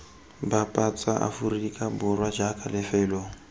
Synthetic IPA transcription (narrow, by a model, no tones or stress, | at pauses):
bapʼat͡sʼaʔa̰furikʼabʊrwad͡ʒakʰʼalɪfɛːlɔ